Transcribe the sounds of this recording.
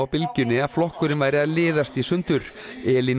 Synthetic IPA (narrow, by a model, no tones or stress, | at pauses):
wpɪlcʏnːɪḁflɔhkʏɾɪnvajɾɪaðlɪːðast̪isʏnt̪ʏɾ | ɛːlin